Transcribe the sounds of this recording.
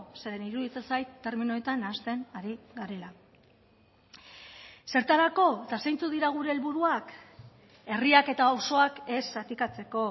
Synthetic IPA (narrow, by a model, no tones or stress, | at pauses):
se̞ɾe̞niɾuðit͡s̪esajt̪ːe̞ɾminoet̪anast̪e̞naɾiɡaɾe̞la | se̞ɾt̪aɾako̞et̪asajnt͡suðiɾaɣ̞uɾe̞ːlβuɾuak | e̞riake̞t̪aoso̞ake̞sat̪ikat͡se̞ko̞